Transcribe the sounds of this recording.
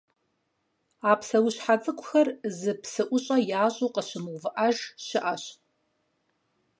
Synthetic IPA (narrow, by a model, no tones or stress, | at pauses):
aːpsɐwʊɕħat͡sʼɨkʷʰʼʊxɐrzɨpʰsɨʔʷʊɕʼɐjaːɕʼuːqəɕɪmɨwvɨʔaʒɕɪʔaɕ